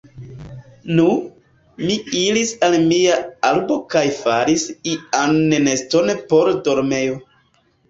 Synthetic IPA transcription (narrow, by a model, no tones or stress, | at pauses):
nu | miilisalmiaalbo̞kajfaɾisianːene̞stonepo̞ɾdo̞ɾme̞jo̞